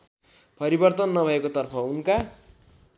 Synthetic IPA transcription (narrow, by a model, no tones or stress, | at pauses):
pʌɾibʌrt̪ʌnːʌbʱʌekot̪ʌrpʰʌunka